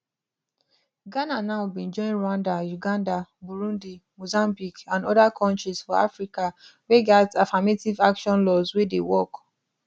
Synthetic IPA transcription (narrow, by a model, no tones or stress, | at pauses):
ɡananaʊbĩnd͡ʒɔ̃ɪ̃nɹãndajuɡãndabuɹũndimozãmbikãnɔdakʰɔ̃ntɹiz̥fɔa̰fɹikaweɡatafametivakʃɔ̃nlɔzwedewɔk